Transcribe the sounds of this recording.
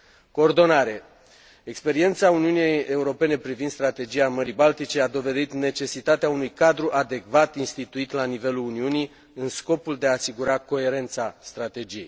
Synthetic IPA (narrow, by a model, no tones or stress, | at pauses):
ko̞ːrd̪o̞naɾe̞ | ekspe̞ɾie̞nt̪sauniunijeje̞uɾo̞pe̞ne̞pɾivind̪st̪ɾat̪e̞d͡ʒijaməɾijbalt̪it͡ʃe̞ad̪o̞ve̞d̪it̪ne̞t͡ʃe̞sit̪at̪eaunujkad̪ɾuʔad̪e̞kvat̪inst̪it̪uit̪lanive̞luluniuni | ɨnsko̞puld̪e̞aːsiɡuɾako̞e̞ɾe̞nt̪sast̪ɾat̪e̞d͡ʒije̞j